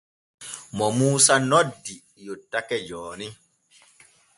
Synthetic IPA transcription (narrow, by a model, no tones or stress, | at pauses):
mɔmuːsanɔdːi | jotːakɛd͡ʒɔːni